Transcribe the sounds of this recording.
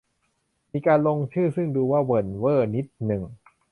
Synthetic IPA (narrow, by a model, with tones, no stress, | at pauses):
miː˧kaː˧nlo˧ŋt͡ɕʰɯː˥˩sɯ˥˩ŋduː˧waː˥˩wɤ˨˩nwɤː˥˩ni˦˥t̪̚nɯ˨˩ŋ